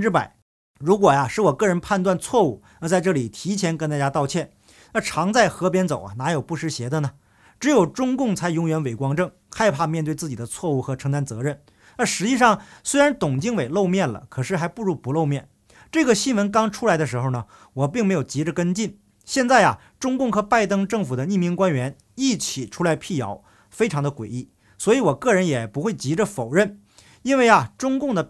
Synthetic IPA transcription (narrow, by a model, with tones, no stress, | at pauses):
ʈ͡ʂɻ̩˥˩pa̰˨˩˦ | ɻu˧˥kwɔ˨˩jɐ˧ʂɻ̩˥˩wɔ˨˩kɤ˥˩ɻə˧˥npʰa˥˧nt̪wa˥˧nt͡sʰwɔ˥˧u˥˩ | ə˧t͡sa˥˧ɪʈ͡ʂɤ˥˩li˨˩t̪ʰi˧˥t͡ɕʰjɛ˧˥nkə˥nt̪a˥˩t͡ɕja˥t̪ɑ˥˧ʊt͡ɕʰjɛ˥˩n | ə˞˥˧˩ʈ͡ʂʰɑ˧˥ŋt͡sa˥˩ɪxɤ˧˥p̬jɛ˥nt͡so˨˩ʊɐ̰˩na˧˥jo˨˩ʊpu˥˩ʂɻ̩˧˥˩ɕjɛ˧˥d̪ə˧nə˩ | ʈ͡ʂɻ̩˧˥jo˨˩ʊʈ͡ʂʊ˥ŋkʊ˥˩ŋt͡sʰa˧˥ɪjʊ˧˥ŋɥɛ˧˥nwe˨˩ɪkwɑ˥ŋʈ͡ʂɤ˥˩ŋ | xa˥˧ɪpʰa˥˧mjɛ˥˧nt̪we˥˧ɪt͡sɹ̩˥˩t͡ɕi˨˩d̪ə˦t͡sʰwɔ˥˧u˥˩xɤ˧˥ʈ͡ʂʰɤ˧˥ŋt̪a˥nt͡sɤ˧˥ɻə˥˩n | ə˞˧˥ʂɻ̩˧˥t͡ɕi˥˧ʂɑ˥˩ŋswe˥ɪɻa˧˥nt̪ʊ˨˩ŋt͡ɕi˥˧ŋwe˨˩ɪlo˥˧ʊmjɛ˥˩nlə̰˩kʰɤ˨˩ʂɻ̩˥˩xa˧˥ɪpu˥˧ɻu˥˩pu˧˥lo˥˧ʊmjɛ˥˩n | ʈ͡ʂɤ˥˩ɡə˩ɕi˥nwə˧˥nk̬ɑ˥ŋʈ͡ʂʰu˥la˧˥ɪd̪ə˧ʂ̬ɻ̩˧˥xo˥˧ʊnə˩ | wɔ˨˩p̬i˥˩ŋme˧˥ɪjʊt͡ɕi˧˥ʈ͡ʂə˧kə˥nt͡ɕi˥˩n | ɕjɛ˥˧nt͡sa˥˩ɪɐ̰˩ | ʈ͡ʂʊ˥ŋkʊ˥˩ŋxɤ˧˥pa˥˩ɪt̪ɤ˥ŋʈ͡ʂɤ˥˩ŋfu˨˩d̪ə˦ni˥˩mi˧˥ŋkwa˥nɥɛ˧˥n | i˥˩t͡ɕʰi˨˩ʈ͡ʂʰu˥la˧˥ɪpʰi˥˩jɑ̰˧˥ʊ | fe˥ɪʈ͡ʂʰŋd̪ə˧kwe˨˩ɪi˥˩ | swɔ˧˥i˧˥wɔ˨˩kɤ˥˩ɻə˧˥njɛ˨˩pu˧˥xwe˥˩ɪt͡ɕi˧˥ʈ͡ʂə˧fo˨˩ʊɻə˥˩n | i˥nwe˥˩ɪɐ˩ʈ͡ʂʊ˥ŋkʊ˥˩ŋd̪ə˩